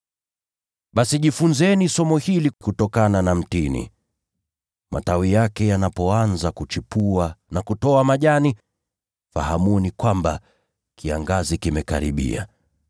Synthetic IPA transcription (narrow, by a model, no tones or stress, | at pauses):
ɓasiʄifunzɛnisɔmɔhilikutɔkananam̩tinḭ | ma̰tawijakɛjanapɔanzakut͡ʃipuanakutɔamaʄani | fa̰hamunikwamba | kʰia̰ŋɡazikimɛka̰ɾḭɓḭa̰